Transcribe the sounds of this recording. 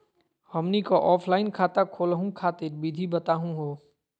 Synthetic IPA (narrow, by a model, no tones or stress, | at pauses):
həmnikoʔɔːpʰlaːɪnkʰaːt̪akʰoːlɦũkʰaːt̪ɪɾbid̪ʱibət̪aːɦũɦoː